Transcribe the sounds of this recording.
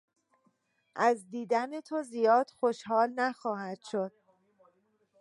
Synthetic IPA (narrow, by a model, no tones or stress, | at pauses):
ʔæzd̪iːd̪ænet̪ʰozijɒːd̪̥xo̞ʃhɒːlnæxɒːhæd̪̥ʃo̞d̪̥̚